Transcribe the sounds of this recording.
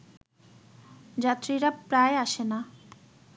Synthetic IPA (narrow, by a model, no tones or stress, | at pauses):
d͡ʑat̪ɾiɾapɾaeaʃena